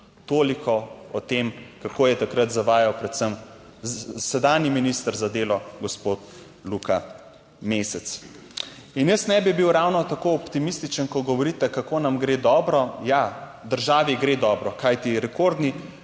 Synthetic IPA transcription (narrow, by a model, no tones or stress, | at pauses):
t̪oːlikʰɔɔt̪emkakoːjɛt̪akɾɐt̪zaʋaːjawpɾɛt̪səm | sɛd̪aːnjiminist̪əɾzad̪eːlɔɡɔspoːt̪ | luka | meːsɛt̪s | injəsnɛbibiwɾawnɔt̪akoɔpt̪imist̪it͡ʃənkɔɡɔʋɔɾit̪ɛkakoːnamɡɾeːd̪ɔːbɾɔjad̪əɾʒaːʋiɡɾed̪ɔbɾɔkajt̪iɾɛkoɾd̪ni